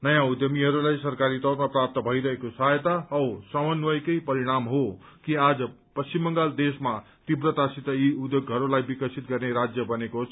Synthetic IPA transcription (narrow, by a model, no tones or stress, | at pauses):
nʌjãud̪jʌmiɦʌɾulajsʌɾkaɾit̪ʌɾmaprap̚t̪ʌbʱʌjɾʌɦekosajt̪aʌwsʌmʌnwʌjkʌjpʌɾiɽ̃amɦo | kiad͡zʌ | pʌst͡ɕimːʌŋɡald̪esma | t̪ibɾʌt̪asit̪ʌiud̪joɡɦʌɾulajbikʌsʰit̪̚ɡʌrneɾad͡zjʌbʌnekosʰ